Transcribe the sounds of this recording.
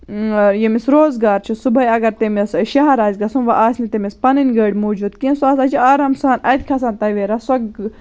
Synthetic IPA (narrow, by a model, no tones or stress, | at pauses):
jemisɾoːzɡaːɾt͡ʃʰisubɐiɐɡɐɾt̪emisʃɐɦɐɾaːzʲɡɐsunʋɐʔaːsʲnit̪emispɐninɡɐːɽʲmoːd͡ʒuːd̪kinsaːsaːt͡ʃʰiaːɾɐmsaːnɐd̪ʲkʰɐsaːnt̪ɐʋeːɾasɐɡ